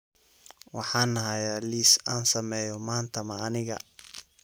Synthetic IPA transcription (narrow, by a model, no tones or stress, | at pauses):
wɑħɑːnːɐɦɐjaːliːsaːnsɐmɛːjɔmaːnt̪ʰɐmɐːnɪɣɐ̰